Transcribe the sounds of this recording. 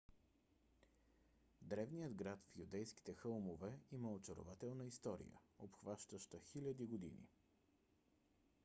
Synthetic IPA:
d̪ɾɛvnijəd̪ɡɾat̪fjud̪ɛjski̥t̪ɛxɤlˠmovɛiməot͡ʃoɾo̰vat̪ɛlˠnəist̪ɔɾḭjə̰opxvaʃt̪əʃt̪əxilʲəd̪iɡod̪ḭnḭ

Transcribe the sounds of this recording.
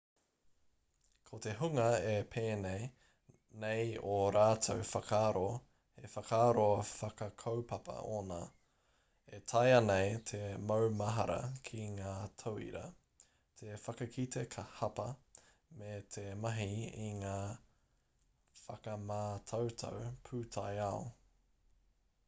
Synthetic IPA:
kʰot̪eɦuŋɐepʰeːnej | nejoɾaːtʰowfɐkʰaːɾo | efɐkʰaːɾoɐfɐkɐkʰowpɐpʰɐ̰oːna̰ː | etʰɐjɐnejt̪ʰemowmɐɦɐɾɐ̰kʰiŋaːtʰowḭɾɐ̰ | t̪ʰefɐkɐkʰit̪ʰekʰɐhɐpɐ | met̪ʰemɐɦiiŋaː | fɐkɐmaːtʰɐwtʰo̰wpʰʉːtʰajao

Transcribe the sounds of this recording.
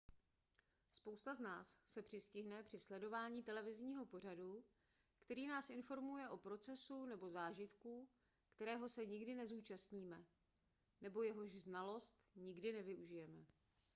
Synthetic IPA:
spo̞wst̪aznaːsːɛpr̥ɪscɪɦnɛpr̥ɪslɛdo̞vaːɲiːt̪ɛlɛvɪzɲiːɦo̞po̞r̝adu | kt̪ɛɾiːnaːsʔɪnfo̞ɾmujɛʔo̞pɾo̞t͡sɛsunɛbo̞zaːʒɪt̪ku | kt̪ɛɾɛːɦo̞sɛɲɪɡdɪnɛzuːt͡ʃast̪ɲiːmɛ | nɛbo̞jɛɦo̞ʒznalo̞st̪ɲɪɡdɪnɛvɪʔuʒɪjɛmɛ

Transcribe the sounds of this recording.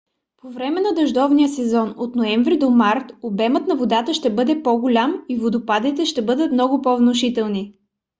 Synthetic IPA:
povɾɛmɛnɐd̪ɐʒd̪ɔvnijəsɛzɔnot̪noɛɱvɾid̪omaɾt̪obɛmət̪nɐvod̪at̪əʃt̪ɛbɤd̪ɛpɔɡʊlʲamivod̪ʊpad̪it̪ɛʃt̪ɛbɤd̪ət̪mnɔɡʊpɔvnoʃit̪ɛlˠni

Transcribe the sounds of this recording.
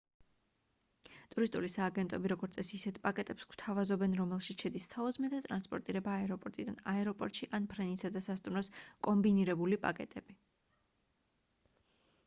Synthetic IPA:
t̪ʼuɾist̪ʼulisaːɡɛnt̪ʼɔbiɾɔɡɔɾt̪sʼɛsisɛt̪ʰpʼakʼɛt̪ʼɛpskw̥t̪ʰavazɔbɛnɾɔmɛlˠʃisʃɛd̪isːaɔzmɛd̪at̪ʼɾanspʼɔɾt̪ʼiɾɛbaːɛɾɔpʼɔɾt̪ʼid̪a̰naɛɾɔpʼɔɾt̪ʼʃiʔanpʰɾɛnisad̪asast̪ʼumɾɔskʼɔmbiniɾɛbulipʼa̰kʼɛt̪ʼɛbi

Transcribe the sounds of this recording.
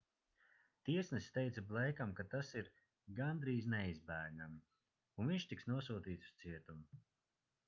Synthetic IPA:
t̪iɛsnɨst̪ɛjt̪sablˠɛjkamkat̪asiɾ | ɡand̪ɾiːznɛizbæːɾnʲam | unviɲʃt̪iksnuɔs̬uːt̪iːt̪su̥st̪siɛt̪umu

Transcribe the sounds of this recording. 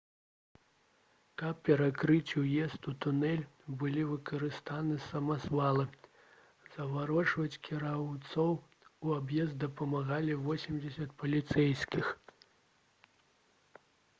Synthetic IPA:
kɐp̚pʲɛɾakɾɨt͡sʲujɛst̪ut̪unɛlʲbɨlʲivɨkɐɾɨst̪anɨsɐmazvalˠɨ | zɐvaɾɔt͡ʂvɐt͡sʲkʲʰiɾawt̪sɔw | uabjɛzd̪̚d̪ɐpɐmaɣalʲivɔsʲimʲd͡zʲɛsʲɐt̪̚pɐlʲit̪sɛjskʲix

